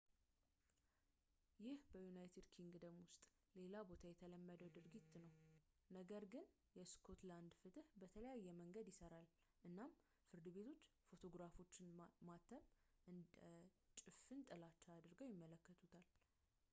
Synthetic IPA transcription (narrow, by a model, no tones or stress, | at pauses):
jɪhbəjunajt̪ʰed̪kʰiŋɡd̪əmwʊst̪ʼ | le̞labo̞t̪ʰajɛt̪ʰələmːəd̪əwd̪ɨɾɡit̪ːnəw | nəɡəɾɡɨn | jɛskʰo̞t̪land̪fɨt̪ɨhbət̪ʰələjajːɛməŋɡəd̪jɪsəɾal | ʔɨnːam | fɨɾd̪ɨβe̞t̪ʰo̞t͡ʃːfo̞t̪ʰo̞ɡɾafo̞t͡ʃːɪnmat̪ʰəm | t͡ʃʼɪfɨnt̪ʼəlat͡ʃːad̪ɨɾɡəwjɪmːələkːət̪ʰut̪ʰal